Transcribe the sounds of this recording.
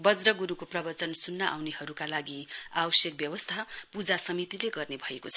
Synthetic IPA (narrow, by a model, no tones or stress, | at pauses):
bʌd͡zɾʌɡuɾukoprʌbʌt͡sʌnsunːʌʔa̰wnehʌɾukalaɡiabʌsjʌk̚bjʌwʌst̪ʰapud͡zasʌmit̪ileɡʌrnebʱʌekot͡sʰʌ